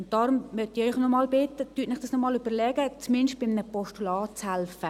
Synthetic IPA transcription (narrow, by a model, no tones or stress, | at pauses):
ʊnt̪ːɑːɾʊmmœt̪ɪœʏχnɔmɑːlbɪt̪ːət̪yːtnɪχd̥ɑsnɔmɑːlyb̥əɾlɛːɡət͡smɪnʃt̚b̥ɪmnəpɔʃtulɑːt͡shælfə